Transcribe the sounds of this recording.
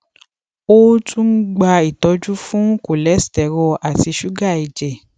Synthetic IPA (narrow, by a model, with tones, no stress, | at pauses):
o˦tũ˦n̩˦ɡ͡ba˧i˨tɔ˨˧d͡ʒu˦fũ˦ko˨lɛ˨˦stɛ˨ɾɔ˧a˨ti˧ʃu˦ɡa˦˨i˨d͡ʒɛ˨